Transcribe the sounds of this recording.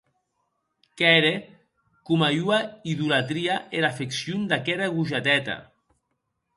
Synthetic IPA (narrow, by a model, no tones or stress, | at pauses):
kɛɾe | kumajuaiðulat̪ɾiaeɾafeksjund̪akɛɾaɣuʒat̪ɛt̪a̰